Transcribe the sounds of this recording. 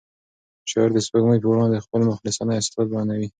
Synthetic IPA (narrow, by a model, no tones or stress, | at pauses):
ʃɑ̰ɾd̪əspaɡməjpoɽɑnd̪əxpəlmʊxlɪsɑnajsfɑd̪̚bɑnawi